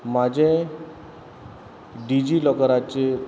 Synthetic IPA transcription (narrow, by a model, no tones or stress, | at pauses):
mad͡ʑʱe | ɖid͡ʑiːlɔkəɾat͡ɕe